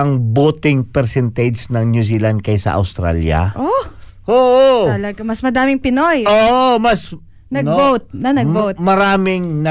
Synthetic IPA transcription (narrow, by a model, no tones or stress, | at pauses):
ɐŋboːt̪ɪŋpɛɾsɛnt̪ed͡ʒsnɐŋnjusilɐnd̪̚kɐjsɐ̰ʔɐ̰wst̪ɾa̰ljɐ̰ʔo | ʔoːʔoɐlɐɡamɐsmɐd̪aːmɪŋpɪnojʔoːʔomɐs | nɐnbowt̪̚nɐnɐɡbowt̪mɐɾaːmɪŋnɐ